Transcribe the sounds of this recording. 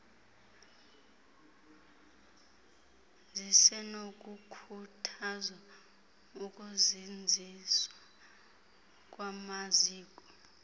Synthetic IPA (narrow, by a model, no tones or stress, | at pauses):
zisɛnok̬ʼukʰutʰazwa | uk̬ʼuzind͡zʱiswa | k̬ʼwamaziːk̬ʼɔ